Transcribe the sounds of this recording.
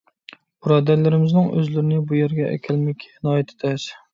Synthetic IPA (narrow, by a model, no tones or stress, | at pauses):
b̥ɨɾɑːd̪æɾlɪɾɪmɪznɪŋʔø̰zlɪɾɪnɪbujeɾɡʲɛʔɛ̰kʲʰælmɪkʲʰnɑːjɛt̪ʰɪ̥t̪ʰɛʃ